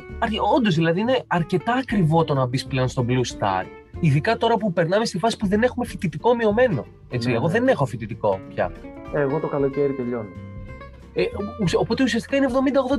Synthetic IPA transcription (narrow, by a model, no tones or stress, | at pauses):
ɐɾo̞nd̪o̞zðilɐðiine̞ɐɾce̞t̪ɐːkɾivo̞t̪o̞nɐbisple̞onst̪o̞blust̪ɐ̰ɾ | iðikɐt̪o̞ɾɐpupe̞ɾnɐmest̪ifɐsi̥puðe̞ne̞xumefit̪it̪iko̞mio̞me̞no̞̰ | et͡sieɣo̞ðe̞ne̞xofit̪it̪iko̞pçɐ̰eɣo̞t̪okɐlo̞ceɾit̪eʎo̞n | eusopo̞t̪e̞usiɐst̪ikɐinevðo̞mind̪ɐɣðo̞